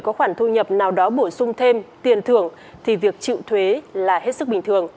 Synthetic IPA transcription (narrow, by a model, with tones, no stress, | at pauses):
kɔ˨˦xwaː˧˩nt̪ʰu˧ɲə˨˩p̚naː˨˩wɗɔ˨˦ɓo˧˩sʊ˧ŋ͡mt̪ʰe˧mt̪i˨˩ənt̪ʰɨ˨˩əŋ | t̪ʰi˨˩vi˨˩ək̚t͡ɕḭ˧˨wt̪ʰwe˨˦laː˨˩ɦe˦˥t̚sɨ˦˥k̚ɓï˨˩ŋ̟t̪ʰɨ˨˩əŋ